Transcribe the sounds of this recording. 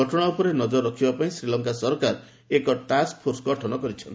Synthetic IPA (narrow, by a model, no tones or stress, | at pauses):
ɔʈɔɽ̃aupɔɾenɔd͡ʒɔɾɔːɔkʰibapaĩsɾilɔŋkasɔɾkaɾ | ekɔʈask̚pʰoɾsɡʱɔʈʰɔnɔkɔɾit͡ʃʰɔnt̪